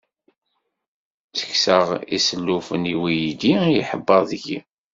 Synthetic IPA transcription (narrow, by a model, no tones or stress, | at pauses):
t͡sə̥çsəʁḭsəlːufəniwijid̪ijiħəbːəðəɡḭ